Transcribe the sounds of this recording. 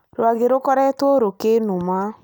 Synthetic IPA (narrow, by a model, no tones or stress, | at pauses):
ɾwaɣeɾokɔɾɛtwɔɾokenoma